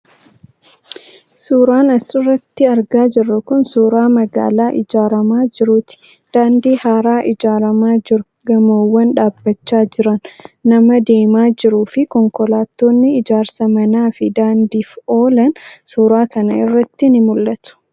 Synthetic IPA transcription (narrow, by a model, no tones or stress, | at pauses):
suːɾaːnɐsɪrːɐt̪ːɪɐɾɡaːd͡ʒɪrːɐkʊnsuːɾaːmɐɡa̰ːlaːʔɪd͡ʒaːɾɐmaːd͡ʒɪɾʊt̪ɪ̥ | d̪̥aːnd̪iːhaːɾaːʔɪd͡ʒaːɾɐmaːd͡ʒɪɾʊ | ɡɐmoːwːɐnᶑaːbːɐt͡ʃːaːd͡ʒɪɾɐnːɐmɐd̪e̞ːmaːd͡ʒɪɾuːfɪkɔŋkɔlaːt̪ːo̞ːnːɪɪd͡ʒaːɾsɐmɐnaːfɪd̪aːnd̪iːfo̞ːlɐnsuːɾaːkɐnɐ̰ɪrːɐt̪ːɪnɪmʊlːɐt̪ʊ̥